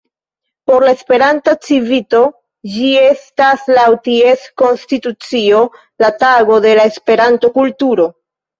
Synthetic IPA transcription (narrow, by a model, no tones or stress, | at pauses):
po̞ɾlae̞spe̞ɾantat͡sivito̞ | d͡ʒie̞staslawtie̞sko̞nstitut͡sio̞ | lataɡo̞de̞lae̞spe̞ɾanto̞kultuɾo̞